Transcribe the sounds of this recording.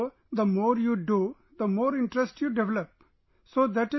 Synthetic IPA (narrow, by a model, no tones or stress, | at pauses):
d̪əmoːɾjuːɖu | d̪əmoːɾɪ̃ɳʈɾesʈjuːɖɛʋɛləp | soːd̪æʈɪ